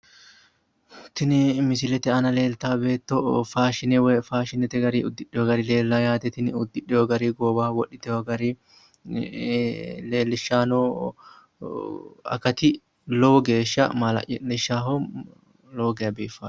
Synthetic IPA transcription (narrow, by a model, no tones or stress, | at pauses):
t̪ɪnɪmɪsɪlɛt̪ɛɐnɐle̞ːlt̪aːbe̞ːt̪ːɔfaːʃɪnɛwfaːʃɪnɛt̪ɛɡɐɾiːʊd̪ːɪᶑɛɔɡɐɾile̞ːlːaːjaːt̪ɛt̪ɪnɪʊd̪ːɪᶑɪjɔɡɐɾiːɡoːbaːwɔʔɪt̪ɛwɔɡɐɾi | leːlːɪʃːaːnoː | ɐ̰kːɐt̪ɪ | loːɡe̞ːʃːɐmalɐ̰ʔɛlɛʃːaːɦo | loːɡɛɐbeːfaː